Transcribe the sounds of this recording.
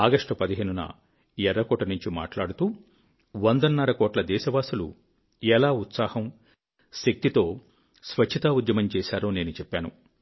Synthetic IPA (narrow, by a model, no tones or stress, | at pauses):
aːɡɐʂʈɐpɐd̪iɦeːnunɐ̰ | ɛɾːɐkɔːʈɐnuɲt͡ʃima̰ːʈlaːɽut̪uː | ʋɐnd̪ɐnːɐɾɐkɔːʈlɐd̪ɛːʃɐʋaːsulṵ | ɛlaːut̪saːhɐm | ʃek̚t̪it̪o̞ː | sʋɐt͡ʃt͡ʃʰɐt̪aːud̪jɐmɐmt͡ʃɛːsaːɾoːne̞ːnut͡ʃɛpːaːnṵ